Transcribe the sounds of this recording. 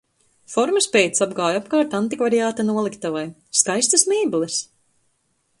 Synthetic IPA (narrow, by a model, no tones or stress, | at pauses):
fɔɾmɨspejt̪sabɡaːjapkaːɾt̪ant̪ikvaɾiaːt̪anuɔlˠikt̪avajskajst̪ɨsmɛːblˠis